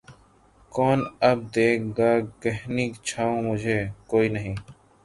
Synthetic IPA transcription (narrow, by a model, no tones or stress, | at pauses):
kɔːnəb̚d̪eːk̚ʰɡaːkəɦniːkt͡ʃʰaːõːmʊd͡ʒʱeːkoːiːnəɦĩː